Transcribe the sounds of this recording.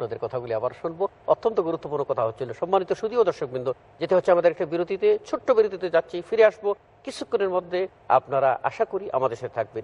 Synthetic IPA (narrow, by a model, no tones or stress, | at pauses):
apnad̪eɾkɔt̪ʰaɡuliabaɾoʃunbo | o̰t̪ːont̪oɡuɾut̪ːopuɾnokɔt̪ʰaɦotːʰiloʃɔmːanit̪oʃud̪iod̪ɔɾʃok̚bind̪o | d͡ʑet̪eɦotːʰeamad̪eɾɛkʈabiɾod̪ʱit̪et͡ɕʰuʈːobiɾod̪ʱit̪ed͡ʑatːɕʰifiɾeaʃbo | kit͡ɕʰːukːoneɾmod̪ʱːe | a̰pnaɾaʔa̰ʃakoɾiʔa̰mad̪eɾʃat̪et̪ʰak̚ben